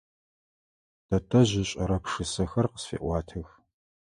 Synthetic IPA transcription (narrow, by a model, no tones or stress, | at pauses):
d̥ɐtʰʼɐʑɪɕʼɐɾɐpʂɨsɐxɐrqə̥sfḛːʔʷɑːtʰɨx